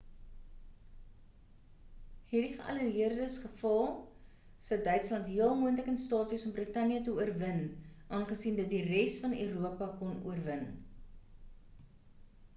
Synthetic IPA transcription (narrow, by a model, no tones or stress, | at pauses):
hɛdiχəʔɐ̰ləriərdəsχəfɐlˠ | səwdœɥtslɐntɦiəlˠmuəntləkənstɑːtysɔmbrətɐniətəuərvənʔɑːnχəsindɐt̚dirɛstfɐnøːɾuəpɐkɔnṵərvən